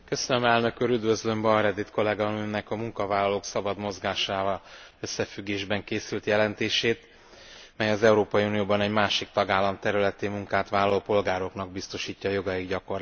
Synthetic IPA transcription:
kø̞sønømɛlnø̞kuːɾyd̪vø̞zlø̞mbɒɾɛd̪it̪ko̞lɛɡɒnønɛkɒmuŋkɒvaːlːɒloːksɒbɒd̪mo̞zɡaːʃaːvɒlø̞sːɛfyɡːeːʒbɛŋkeːsylt̪jɛlɛnt̪eːʃeːt̪ | mɛjɒzɛuɾoːpɒjiunijoːbɒnɛɟmaːʃik̚t̪ɒɡaːlːɒmt̪ɛɾylɛt̪imuŋkaːt̪ʋaːlːɒloːpo̞lɡaːɾo̞knɒɡ̚bist̪o̞ʃiːcːɒːjo̞ɡɒjiɡɟɒko̞r

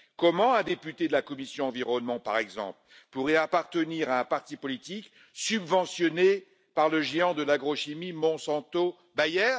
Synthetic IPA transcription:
kɔmɑ̃ɛ̃d̪epyt̪ed̪əlakɔmisjɔ̃ɑ̃viʁɔnmɑ̃pa̰ʁɛɡzɑ̰̃pl | puʁɛapaʁt̪əniʁaɛ̃paʁt̪ipɔlit̪ik | sybvɑ̃sjɔne | paʁləʒeɑ̃d̪əlaɡʁɔʃimimɔ̃sɑ̃t̪o | bajɛːʁ

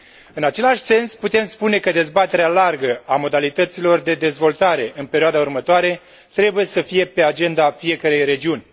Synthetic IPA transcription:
ɨnat͡ʃe̞laʃʲse̞nsput̪e̞mspune̞kəd̪e̞zbat̪e̞ɾealarɡəamo̞d̪alit̪ət̪silo̞rd̪e̞d̪e̞zvo̞lt̪aɾe̞ʔɨnpe̞ɾioad̪aurmət̪oaɾe̞ | t̪ɾe̞buje̞səfije̞pe̞ad͡ʒe̞nd̪afije̞kəɾe̞jɾe̞d͡ʒiunʲ

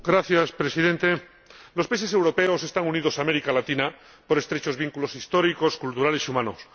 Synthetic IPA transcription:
ɡɾaθjaspɾesiðe̞nt̪e̞ | lo̞spaise̞s̬e̞wɾo̞pe̞ose̞st̪aŋunið̞o̞saːmeɾikalat̪ina | po̞ɾe̞st̪ɾe̞t͡ʃo̞zβiŋkulo̞sist̪o̞ɾiko̞skult̪uɾale̞sumãnos

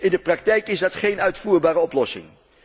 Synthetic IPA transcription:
ɪndəprɑk̚tɛjkɪzdɑtχejnœɥtfuːɹbaːɾəɔplɔsɪ̰ŋ

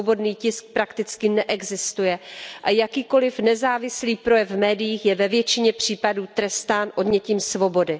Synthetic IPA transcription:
obo̞dniːcɪsk̚pɾakt̪ɪt͡skɪnɛʔɛɡzɪst̪ujɛʔajakiːko̞lɪfnɛzaːvɪsliːpɾo̞jɛvmɛːdɪjiːxjɛvɛvjɛt͡ʃɪɲɛpr̝̥iːpaduːt̪ɾɛst̪aːnʔo̞dɲɛciːmsvo̞bo̞dɪ

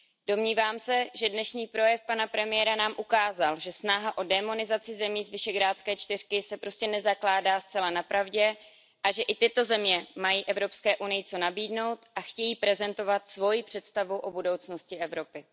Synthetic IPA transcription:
d̥o̞mɲiːvaːmsɛʒɛdnɛʃɲiːpɾo̞jɛfpanapɾɛmɪjɛɾanaːmʔukaːzalʒɛsnaɦaʔo̞dɛmo̞nɪzat͡sɪzɛmiːzvɪʃɛɡɾaːtt͡skɛːt͡ʃt̪ɪr̝̥kɪsɛpɾo̞scɛnɛzaklaːdaːst͡sɛlanapɾavɟɛ | ʔaʒɛʔɪt̪ɪt̪o̞zɛmɲɛmajiːʔɛvɾo̞pskɛːʔunɪjɪt͡so̞nabiːdno̞wt̪ʔaxcɛjiːpɾɛzɛnt̪o̞vat̪svo̞jɪpr̝̥ɛt̪st̪avuʔo̞budo̞wt͡sno̞scɪʔɛvɾo̞pɪ

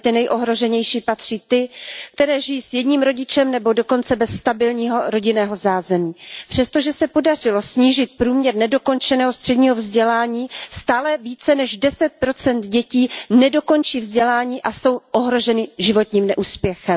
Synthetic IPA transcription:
t̪ɪnɛjʔo̞ɦɾo̞ʒɛɲɛjʃiːpat̪r̝̥iːt̪ɪk̚t̪ɛɾɛːʒɪjiːsjɛdɲiːmɾo̞ɟɪt͡ʃɛmnɛbo̞do̞ko̞nt͡sɛbɛsːt̪abɪlɲiːɦo̞ɾo̞ɟɪnɛːɦo̞zaːzɛmiːpr̥ɛst̪oʒɛsɛpodar̝ɪlo̞sɲiːʒɪt̪̚pɾuːmɲɛɾnɛdo̞ko̞nt͡ʃɛnɛːɦost̪r̥ɛdɲiːɦo̞vzɟɛlaːɲiːst̪aːlɛviːt͡sɛnɛʒdɛsɛt̪̚pɾo̞t͡sɛnd̪ɟɛciːnɛdo̞ko̞nt͡ʃiːvzɟɛlaːɲiːʔaso̞wʔoɦɾo̞ʒɛnɪʒɪvo̞t̪ɲiːmnɛʔuːspjɛxɛm

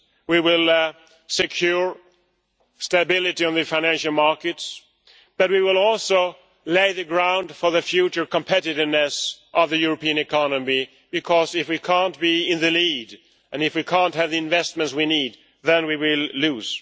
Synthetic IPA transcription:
wiwɪlˠ | sɨkʰj̥ʊɹ | stɨbɪlˠɨɾiɨ̃nðɨfãɪ̃ñæ̃nʃl̩ˠmɑɹkɨts | b̥ʌt̚wiwɪlˠɔlˠsoʊ | leɪðɨɡɹãʊ̃nd̥fə˞ðɨfjʉt͡ʃə˞kə̃mpʰɛɾɨɾɪvnɨsʔʌvðɨjʊɹəpĩɨ̃nɨkʰɑnəmi | b̥ɨkʰɔzɪfwikʰæ̃nb̥iɪ̃nðɨlid | ʔɨ̃nɨfwikʰæ̃nt̚ɦɨvðiɨ̃ɱvɛst̚mɨ̃ntswinid̪̚ | ðɨ̃nwiwɪlˠluz̥

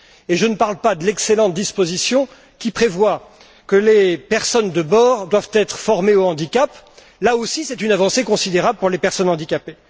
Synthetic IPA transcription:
eʒənəpaʁlpad̪əlɛkselɑ̃t̪̚d̪ispozisjɔ̃ | kʲipχevwa | kəlepɛʁsɔnd̪əbɔːʁd̪wavt̪ɛt̪χəfɔʁmeoɑ̃d̪ikʲap | laosisɛt̪ynavɑ̃sekɔ̃sid̪eʁabləpuʁlepɛʁsɔnɑ̃d̪ikʲape

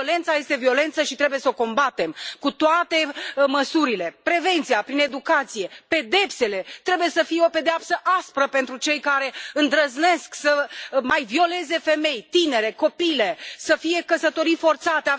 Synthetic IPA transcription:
ole̞nt̪saje̞st̪e̞vio̞le̞nt̪səʃit̪ɾe̞buje̞so̞ko̞mbat̪e̞mkut̪oat̪e̞məsuɾile̞pɾe̞ve̞nt̪siapɾine̞d̪ukat̪sije̞pe̞d̪e̞pse̞le̞t̪ɾe̞buje̞səfije̞ope̞d̪eapsəʔaspɾəpe̞nt̪ɾut͡ʃe̞jkaɾe̞ɨnd̪ɾəzne̞sksəmajvio̞le̞ze̞fe̞me̞jt̪ine̞ɾe̞ko̞pile̞səfije̞kəsət̪o̞ɾifo̞rt̪sat̪ea

